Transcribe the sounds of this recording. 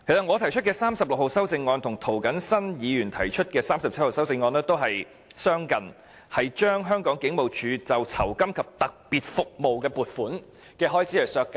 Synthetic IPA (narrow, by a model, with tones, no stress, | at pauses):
kʰe˨˩jsɐ˨t̚ŋɔː˨˧t̪ʰɐ˨˩jt͡ʃʰɵ˥t̚kɛː˧saː˥msɐ˨p̚lʊ˨k̚ho˨wsɐ˥wt͡sɪ˧ŋːɔː˧nt̪ʰʊ˨˩ŋt̪ʰo˨˩wkɐ˨˥nsɐ˥njiː˨˧jyː˨˩nt̪ʰɐ˨˩jt͡ʃʰɵ˥t̚kɛː˧saː˥msɐ˨p̚t͡s̚ʰho˨wsɐ˥wt͡sɪ˧ŋːɔː˧nɛː˥t̪o˥wɦɐ˨j | sœː˥ŋkɐ˨˩n | hɐ˨jt͡ʃœː˥ŋɦœː˥ŋkɔː˨˥ŋkɪ˨˥ŋmo˨wt͡ʃʰyː˨˧t͡sɐ˨wt͡sʰɐ˨˩wkɐ˥mkʰɐ˨p̚t̪ɐ˨k̚piː˨˩t̚fʊ˨k̚mo˨wkɛː˧puː˨˩t̚fuː˨˥n | kɛː˧ɦɔː˥jt͡siː˨˥jɐ˨˩sœː˧kːɐ˨